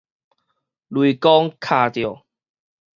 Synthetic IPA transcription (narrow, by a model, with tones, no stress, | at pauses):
lwi˨kɔ˦ŋkʰa˥˧˩t̪jo˨˩